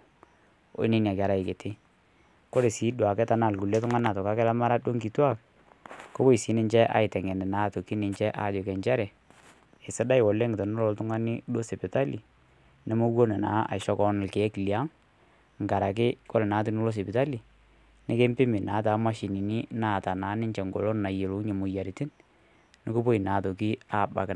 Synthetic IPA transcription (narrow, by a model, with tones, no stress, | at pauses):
ɔ̰˦ɪ˦nɪ˦n˨a˨ka˨ɾa˨ɪ˨ke˨tɪ˦ | kɔ˦ɾe˨si˨˦dwa˨kɛ˦ta˨na˦˨lku˨lɛ˦tʊ˦ŋa˦na˨tɔ˨ka˨˦kɛ˦la˦ma˦ɾa˦do˦ŋki˨twa˦˨k | ko˦ko˦i˨si˦nɪ˦ɲt͡ʃɛ˦ʔa̰˨ɪ˨tɛ˨ŋɛ˨nɛ˨na˨˦to˨ki˦nɪ˨ɲt͡ʃɛ˦ʔa̰˨d͡ʒɔ˨kɛ˨ɲt͡ʃɛ˦ɾɛ˨ | ɪ˨sɪ˦da˦ɪ˨wɔ˨lːe˦ŋɪ˨tɔ˨nʊ˦lɔ˨ltʊ˦ŋa˦nɪ˦do˦se˨pɪ˨ta˦li˨ | nɪ˨˦mo˦wo˦nɛ˨na̰ː˨˦a̰˨ʃɔ˦kɔ˦nɪ˨lke˨˦kli˨a˦ŋ | ŋɡa˨ɾa˨k̬ɪ˦kɔ˦lnaː˨˦t̬u˦nʊ˦lo˦s̬e˨pɪ˨ta˦li˨ | nɪ˦ke˦mpɪ˦mɪ˨naː˨˦ta˨˦ma˦ʃi˨ni˨ni˦naː˦˨ta˨naː˨˦nɪ˦ɲt͡ʃɛ˨ŋɡo̰˨lo˦nna˨je˨lo˨˦ɲe˨mʊ˨ja˨ɾi˨tɪ˦n | nɪ˦ko˦po˦i˨na˨to˨k̬i˦a˦˨ba̰˨kɪ˨